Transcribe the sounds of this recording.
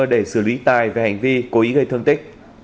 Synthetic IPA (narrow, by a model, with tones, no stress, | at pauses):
ɗe˧˩sɨ˧˩lwi˨˦t̪aː˨˩jvaː˨˩ha˨˩ŋ̟vi˧ko˨˦ʔi˨˦ɣə˧jt̪ʰɨ˧əŋt̪ï˦˥k̟̚